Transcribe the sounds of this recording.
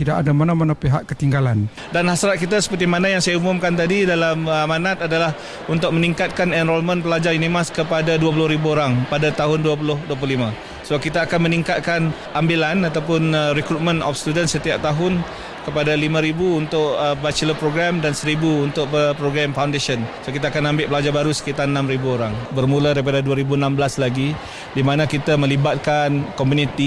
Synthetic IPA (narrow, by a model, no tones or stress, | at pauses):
t̪idaʔadamanamanapeɦaʔkət̪iŋɡalan | danhasɾat̪̚kit̪̬asə̥pərt̪imanajaŋsajaumʊmkant̪adidalaməmanãt̪adalah | unt̪ʊk̚məniŋkat̪̚kanɛnɾɔlmə̃npəlad͡ʒarjunimaskəpadaduap̬ulʊhɾibuoɾaŋpadat̪aɦʊnduap̬ulʊhduəp̬lʊlimã | səakit̪aːkanməniŋkat̪̚kan | ʔambilanat̪awpʊnrɛkɾut̪̚mə̃nɔ̰fst̪udənsət̪iap̚t̪aɦʊn | kəpadalimãɾibuːnt̪ʊʔəbat͡ʃləpɾoɡɾamdansəɾibuunt̪ʊk̚əpɾoɡɾamfawndeʃənsokit̪aːkanambɪʔpəlad͡ʒabaɾusə̥kit̪anənãmɾibuoɾaŋbərmũladaɾip̬adaduaɾibunambəlaslaɡi | dimanãkit̪amə̃libat̪̚kankɔmjunit̪i